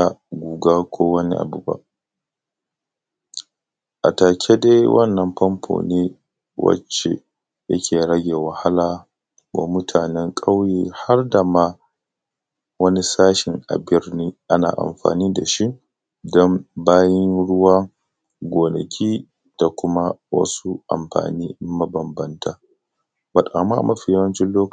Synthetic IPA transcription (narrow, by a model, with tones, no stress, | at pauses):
a˨ɡʷuː˨ɡaː˦kʷʰoː˦wɐ˦nḭ˦ʔa̰˨bu˦ba̰˦ʔ | ʔa˨taː˨kʲʰe˦de˦jwʔɐ̰˦˨nːɐ˨mpɐ˦mpʰo̰ː˨neː˦ | wɐ̰˦t͡ʃːḛ˨ | jɐ̰˦kʲʰeː˨ɽɐ˦ɡʲeː˨wɐ˨ha˦laː˨ | wa̰˨mʊ˦tʰaː˨nɛ˦ŋkʼa˦wjeː˨ha˦rda˨ma˦ | wɐ˦ni˦saː˦ʃɪ˨ŋʔa̰˨bɪ˦rniː˦ʔa˦na̰ː˨ʔa̰˨mɸa̰ː˨niː˦da˨ʃi˦ʔ | dɔ˦mbaː˦jɐ˦nɽʊ˦waː˦ | ɡʷoː˨nɐ˨kʲʰiː˦ | d̥a˨kʷʊ˦ma˦wɐ̰˦su˦ʔa̰˨mɸa̰ː˨niː˦mɐ˦bɐ˨mbɐ˦ntaː˨ | bɐ˨tʼa˨ma˦˨mʔɐ˦ɸi˨ja˦wɐ˦nt͡ʃɪ˦loː˦k